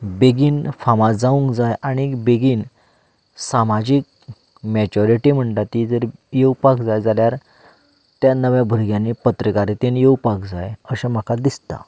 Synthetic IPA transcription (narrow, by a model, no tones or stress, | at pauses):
beɡiːnfamad͡zaũŋkd͡zajaɽ̃ibeɡiːn | samad͡ʑik̚ | mɛt͡ɕɔɾiʈim̤əɳt̪at̪id͡zəɾjewpakd͡zajd͡zaljaɾ | t̪janəʋjabʱəɾɡjãnːipət̪ɾəkaɾit̪enjewpakd͡zajəɕəm̤akad̪ist̪a̰